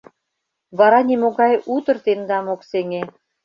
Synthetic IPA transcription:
βɑɾɑnʲimoɣɑjut̪ɤ̆rt̪end̪ɑmokseŋe

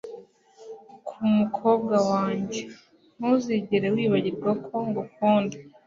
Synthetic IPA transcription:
kʰumukʰo̞ːb̚ɡawaːɲɟe̞ | n̥uziɟeɾewiːβaɟiɾɡwakʰo̞ŋɡokuːnda

